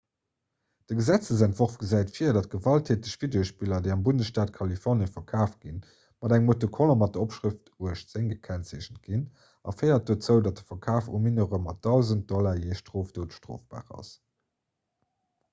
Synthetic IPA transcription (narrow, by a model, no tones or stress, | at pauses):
d̥əɡəzæt͡səz̬æntv̥oʁfɡ̥əzæɪtfiːɐdɑt̚ɡ̥əvɑltʰeːtəɕv̥ideoʃpilɐdeɪɑmbundəsʃtaːtkʰɑlifɔʁnjəfɐkʰaːft̚ɡ̥in | mɑdæŋmotokʰɔlomɑt̚dəopʃʁiftuəʃtz̥eŋɡəkʰænseɕət̚ɡ̥in | ɑfəɪɐt̚d̥oːt͡səʊdɑt̚də̥fɐkʰaːfuminəʁəmɑt̚dɑʊzənt̚d̥ɔlajeːʃtʁoːfd̥oːtʃtʁ̥o̰ːfb̥a̰ːʁɑ̰s